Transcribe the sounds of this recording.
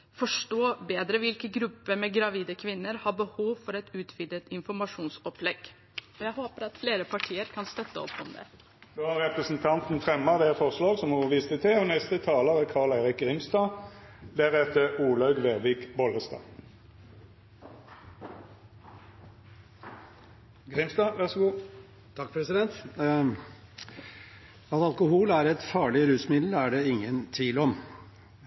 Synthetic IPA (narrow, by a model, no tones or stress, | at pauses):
fɔʂʈoːbeːd̪ɾəʋɪlkəɡɾʉpːəmɛɡɾɑʋiːd̪əkʰʋɪnːəɾhɑbəhuːʋfɔɾɛt̪ʉːt̪ʰʋɪd̪ət̪ɪnfɔɾmɑʂuːnsɔplɛɡ | ɔjæɪhoːpəɾɑt̪fleːɾəpʰɑʈʰiːəɾkʰɑnst̪œt̪ːəɔ̰pːɔmd̪ɛ̰ | d̪oːhɑʁɛpʁəsn̩t̪ʰɑnt̪n̩fʁɛmːɑd̪ɛfɔʁslɑːɡsɔmɔəʋiːst̪ət̪ʰɛɔnɛst̪ət̪ʰɑːləʁəkʰɑːʁɭæɪʁɪk̚ʁɪmst̪ɑːd̪æʁɛt̪əuːlɑʉɡʋeːʋɪːkbɔləst̪ɑ̰ː | ɡʁɪmst̪ɑːʋæʁsɡuː | t̪ʰɑkpʰɾɛsɪd̪ɛnt̪ | ɑt̪ɑlkʊhuːlæːɾɛt̪fɑːɭɪɾʉːsmɪd̪læːɖeɪŋːənt̪ʰʋiːlɔm